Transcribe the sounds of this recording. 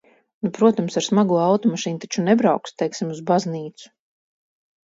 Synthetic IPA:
nupɾuɔt̪amsaɾsmaɡuɔawt̪ɔmaʃiːnt̪at͡ʃunɛbɾawkst̪ɛjksimuzbazniːt̪su̥

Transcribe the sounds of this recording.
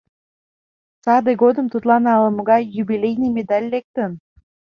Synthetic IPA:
sɑd̪eɡod̪ɨ̆mt̪ut̪lˠɑnɑlˠɤmuɡɑjubilʲejnʲijmʲed̪alʲːek̚t̪ən

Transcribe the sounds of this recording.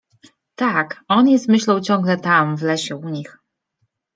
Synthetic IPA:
t̪akɔnjɛst̪mɘɕlɔwt͡ɕɔ̃ŋɡlɛt̪amvlɛɕɛuɲix

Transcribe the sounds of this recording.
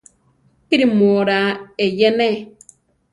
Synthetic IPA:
kiɾimoɾaejɛnɛ

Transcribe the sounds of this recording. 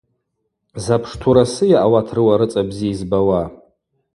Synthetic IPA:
zapʰʂtʰuɾasɨjaʔawatʰrɨwaɾɨt͡sʼabziizbawa

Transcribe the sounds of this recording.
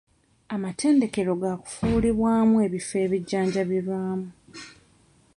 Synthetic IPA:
amatʰe̞ːnde̞ke̞ɾo̞ɡaku̥fuliβwaːmue̞βife̞ːβiɟːaːɲɟaβiɾwaːmu

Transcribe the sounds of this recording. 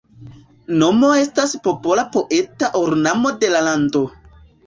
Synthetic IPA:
no̞mo̞e̞staspo̞po̞lapo̞ʔe̞taʔoɾnamo̞de̞lalando̞

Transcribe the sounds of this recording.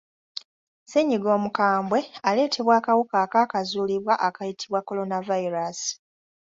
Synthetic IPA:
seɲiɡo̞ːmukaːmbwe̞ale̞ːtʰe̞βwaːkawukaːkaːkazuːliβwaʔakajitʰiβwakːo̞lo̞navaiɾasi̥

